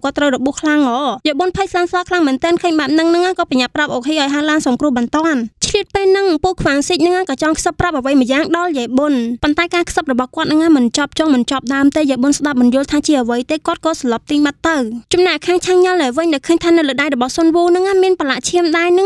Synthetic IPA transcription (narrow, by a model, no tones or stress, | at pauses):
kŏət̪ːrəwrɔɓuəhkʰlaŋʔɑːjɛɓonpʰəjslaːnsɑːkʰlaŋmɛːnt̪ɛːənkʰəːɲɓaɛp̚nɨŋnɨŋaːkɑːpəɲaʔpːrap̚ʔokʰiʔaɔjɦaːlaːnsɑŋkrʊ̆əhɓɑnt̪ŏənt͡ɕʰliət̪̚peːlnɨŋpuəkʰʋaŋsic̚nɨŋaːkɑːt͡ɕɑŋkʰsəpːrap̚ʔəʋəjmɨəjaːŋɗɑljɛɓonpont̪aɛkaːkʰsəp̚rɔɓɑhkŏət̪̚nɨŋʔaːmɨnt͡ɕɑp̚t͡ɕɑŋmɨnt͡ɕɑp̚ɗaəmt̪eːjaɓonsɗap̚mɨnjʊ̆əlt̪ʰaːt͡ɕiəʔəʋəjtt̪eːkŏət̪̚kɔːsɑlɑp̚t̪iːmət̪ːɨwt͡ɕɑmnaʔkʰaːŋt͡ɕʰaːŋɲɑlnaʋɨɲɗaɛkʰəːɲt̪ʰaːnɨwlɨːɗajrɔɓɑhsonʋuːnɨŋaːmiənpalaʔt͡ɕʰiəmɗaɛnɨŋ